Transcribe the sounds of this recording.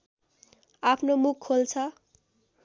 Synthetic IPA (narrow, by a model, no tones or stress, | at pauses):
apʰnomukʰːolt͡sʰʌ